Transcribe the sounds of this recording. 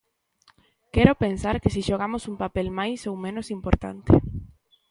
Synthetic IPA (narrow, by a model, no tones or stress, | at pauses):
kɛɾopensaɾkɪsiʃoɣ̞amosumpapelmajsowmẽnosimpoɾt̪a̰nt̪e